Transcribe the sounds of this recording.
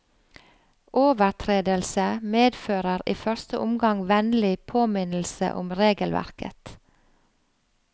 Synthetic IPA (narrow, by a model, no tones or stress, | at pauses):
ʔoːʋəɾt̪ʰɾeːd̪əlsəmeːd̪føːɾəɾiːfœɾst̪əʔʊmɡɑŋʋɛnlɪpʰoːmɪnl̩sə̰ʔʊ̰mɾeːɡəlʋæ̰ɾkə̰t̪